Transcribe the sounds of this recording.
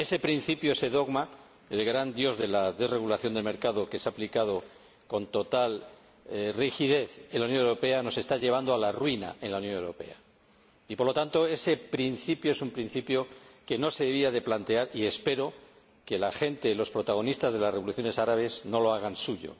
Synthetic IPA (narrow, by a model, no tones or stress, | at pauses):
e̞se̞pɾin̟θipjoese̞ðo̞ɣma | elɣɾand̪jo̞zðe̞laðe̞zre̞ɣ̞ulaθjo̞nd̪elme̞ɾkaðo̞ke̞seaːplikað̞o̞ | ko̞nt̪o̞t̪al | rixið̞e̞θnlːaunjõnewɾo̞pe̞ano̞se̞st̪aʎe̞β̞and̪oalarwina̰e̞nlaunjo̞newɾo̞pe̞̰a̰ | ipoɾlo̞t̪ant̪o̞e̞se̞pɾinθipjoesumpɾin̟θipjo̞ke̞no̞se̞ðeβ̞iaðe̞plant̪e̞aɾie̞spe̞ɾo̞ | ke̞laxe̞nt̪e̞lo̞spɾo̞t̪aɣ̞o̞nist̪azðe̞lasreo̞luθjo̞ne̞saɾaβ̞e̞zno̞lo̞aɣ̞ansuʝo̰